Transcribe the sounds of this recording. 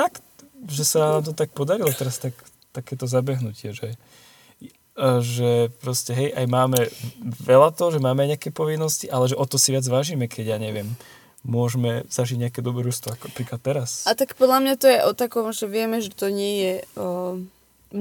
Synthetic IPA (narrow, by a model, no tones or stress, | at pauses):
fakt̪ʒɛsannaːmt̪ɔt̪ak̚pɔd̪aɾilɔt̪ɛɾast̪ak | t̪akɛːt̪ɔzabɛɦnucɪɛʒɛ | ʒɛpɾɔscɛɦɛjʔajmaːmɛʋɛlat̪ɔɦʒɛmaːmɛajɲɛakɛpɔʋinːɔsciʔalɛʒɛʔɔt̪ɔsiʋɪad͡zʋaːʒiːmɛkʰɛɟjaːɲɛʋɪɛmː | ʊɔʒmɛz̥aʒiɟɲɛakɛːd̪ɔbɛɾuʃst̪ʋɔakɔapɾiːklat̪ːɛɾasat̪akpɔd̪lamɲat̪ɔjɛʔɔt̪akɔmʒɛʋɪɛmɛʒɛt̪ɔɲɪɛjɛ